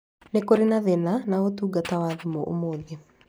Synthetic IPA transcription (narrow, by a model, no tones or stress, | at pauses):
nekoɾenaðenanaotuːɡatawaðemɔʔo̰moːðe